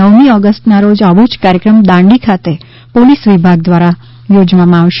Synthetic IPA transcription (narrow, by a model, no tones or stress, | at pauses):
əʋmiɔɡəsʈnaɾod͡ʒaʋut͡ʃkaɾjəkɾəmd̪ãɳɖikʰat̪e | polisʋibʱaɡ̚d̪ʋaɾa | jod͡ʒʋamãaʋʃe